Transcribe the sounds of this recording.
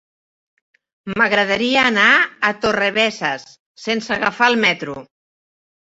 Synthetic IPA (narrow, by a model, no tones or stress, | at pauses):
məɣɾəðəɾiəːnaːt̪oreβɛsəsː | ensəɣafaəlˠmɛt̪ɾu